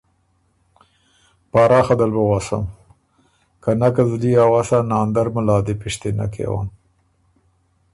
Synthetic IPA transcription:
pɑːɾɑːxad̪albawasa̰m | kanakazliawasanɑːnd̪aɾməlɑːd̪epɪʃt̪ena̰kʰḛwa̰m

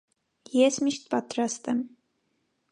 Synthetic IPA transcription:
jɛsmiʃt̪̚pat̪ɾast̪ɛm

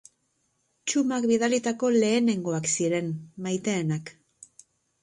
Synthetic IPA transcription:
t͡ʃumakbið̞alit̪ako̞le̞ːne̞ŋɡo̞aksiɾe̞nmajt̪e̞ːnak

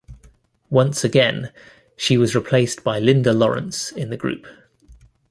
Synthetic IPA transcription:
wʌ̃nsəɡɛ̃n | ʃiwɒzɹɪpʰl̥eɪsb̥aɪlɪ̃ndəlɒɹə̰̃nsɪ̃nðəɡ̥ɹʉ̰ˑp

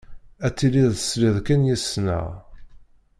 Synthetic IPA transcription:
æt͡sːiliðˤə̥sliðkənjəsnə̰ʁ

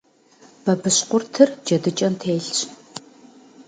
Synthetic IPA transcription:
b̥ɐbɨɕqʷʊrtʰɨrd͡ʒɐdɨt͡ʃʼɐmtʰeːɬt͡ʃ

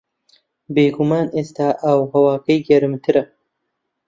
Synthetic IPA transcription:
beːɡumaːneːst̪aːʔawhɐwaːkɐjɡɐɾɨmt̪ʰɨɾɐ

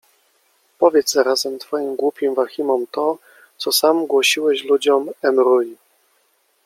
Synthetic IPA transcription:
pɔvʲjɛt̪sɛɾazɛmt̪fɔjimɡwupʲimvaxʲimɔmt̪ɔ | t̪sɔsamɡwɔɕiwɛɕlud͡ʑɔmɛmɾuj

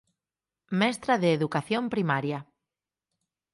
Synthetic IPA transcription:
mɛst̪ɾaðeːðukaθjompɾimaɾja

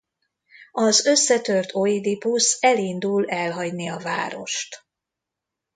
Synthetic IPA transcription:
ɒzø̞sːɛt̪ø̞rt̪ʰo̞id̪ipusɛlind̪ulɛlɦɒɟniɒvaːɾo̞̰ʃt̪

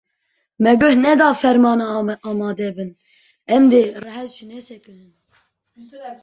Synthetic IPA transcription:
mɛɡɨhnɛd̪ɑːfɛɾmɑːnɑɑːmɑːd̪ɛbɨn | ɛmd̪erɛɦɛzʒinɛsɛkɨnɨn

